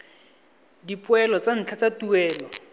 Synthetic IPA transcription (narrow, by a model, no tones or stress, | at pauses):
dipʊɛlɔt͡san̩t͡ɬʰat͡satuɛːlɔ